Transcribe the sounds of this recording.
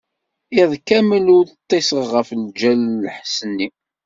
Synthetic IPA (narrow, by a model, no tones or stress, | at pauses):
iðˤkːæməlʊɾt̪ˤːesəʁʁəfld͡ʒælːħsənːi